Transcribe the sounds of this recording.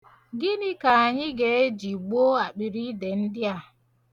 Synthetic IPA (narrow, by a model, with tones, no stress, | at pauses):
ɡɪ˦nɪ˦ka˨a˨ɲɪ˦ɡe˨e˦d͡ʒi˨ɡ͡bo˦a˨k͡pi˨ɾi˦de˨n̩˦dɪ˦a˨